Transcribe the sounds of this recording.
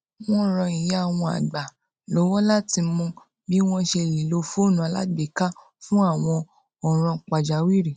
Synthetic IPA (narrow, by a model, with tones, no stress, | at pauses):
w̃ɔ̃˦˨ɾ̃ɔ̃˧i˨ja˦˨w̃ɔ̃˧a̰˨ɡ͡ba˨ | lo˨˦wɔ̃˦la˦ti˧mũ˧ | bi˦w̃ɔ̃˦ʃe˧˨li˨lo˧˦fo˦˨nũ˨a˨˧˦la̰˦ɡ͡bi˨˦ka˦ | fũ˦a˦˨w̃ɔ̃˧ | ɔ˨ɾ̃ɔ̃˧k͡pa˨d͡ʒa˨˦wi˦ɾi˨